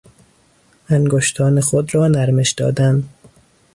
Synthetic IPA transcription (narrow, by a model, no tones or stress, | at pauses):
æŋɡoʃt̪ʰɒːnexod̪ɾɒːnæɾmeʃd̪ɒ̰ːd̪ænd̪